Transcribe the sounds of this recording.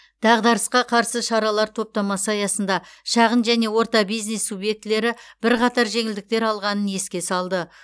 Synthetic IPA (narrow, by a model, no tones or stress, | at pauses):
d̪̥ɑʁd̪ɑɾəsqɑqʰɑɾsəʃɑɾɑlˠɑɾt̪ʰo̞p̚t̪ɑmɑsəɑjɑsənd̪ɑʃɑʁənʒæne̞wo̞ɾt̪ɑbijzne̞sːubje̞k̚t̪ɪle̞ɾɪb̥ɪɾqʰɑt̪ɑɾʒe̞ŋɪld̪ɪk̚t̪e̞ɾɑlˠʁɑnənje̞skʲe̞sɑlˠd̪ə